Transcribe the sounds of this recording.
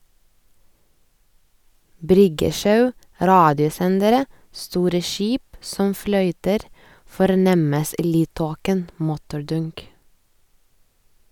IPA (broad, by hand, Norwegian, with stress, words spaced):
ˈbɾʏɡəˌʃɑʉ ˈɾɑːdɪʊˌsɛndəɾə ˈstuːɾə ˈʃiːp ˈsɔm ˈflœʏtəɾ fɔɾˈnɛməs ˈiː ˈlyːdˌtoːkən ˈmʊtʊɾˌdʊŋk